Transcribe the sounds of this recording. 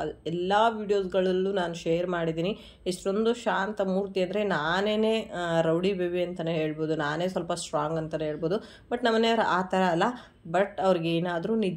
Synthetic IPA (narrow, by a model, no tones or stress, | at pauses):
ɐɛlːɐʋiːɖijo̞ːs̬ɡɐɭɐlːunaːnuʃejɐɾmaːɽid̪iːni | iʂʈo̞nd̪uʃaːnt̪ɐmuːɾt̪iɐnd̪ɐɾe̞naːne̞ːne̞ːɾɐwɽibeːʋiɐnt̪ɐneɦeːɭbo̞ːd̪unaːne̞ːsʋɐlpɐsʈɾaːŋɡɐnt̪ɐnɦeːɭboːd̪u | bɐʈnɐmːɐneɐʋɐɾɐʔaːt̪ʰɐɾɐːlːɐ | bɐʈɐʋɐɾiɡeeːnaːd̪ɐɾunid̪